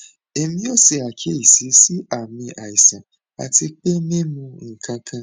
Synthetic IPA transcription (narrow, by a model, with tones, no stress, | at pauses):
e˨mĩ˦o˦se˧a˨kʰe˦i˨si˨˦si˦a˨mĩ˧ʔa˨i˨sã˨ | a̰˨ti˧k͡pe˦mĩ˦mũ˧ŋ̩˨kʰã˧kʰã˧